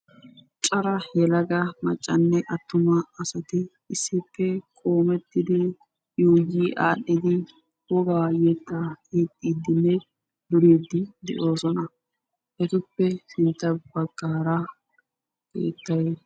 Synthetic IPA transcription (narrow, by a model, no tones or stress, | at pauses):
t͡ʃʼɐɾɐhɛlɐɡɐmɐt͡ʃʼːɐnːɛʔɐt̪ːʊmɐːsɐt̪ɪː | sːɪpːɛkʼo̞ːmɛt̪ːɪd̪ɪ | juːɡiːʔaːɗːɪd̪ɪ | wɔɡɐajet̪ːakeːt̪ʼːiːd̪ːɪnːɛ | d̪ʊɾeːd̪ːɪd̪ɛ̰ʔo̞ːsɔnɐ | ʔɛt̪ɪpːɛɪnt̪ːɐbɐɡ̥ːaːɾɐ | kḛːt̪ːɐje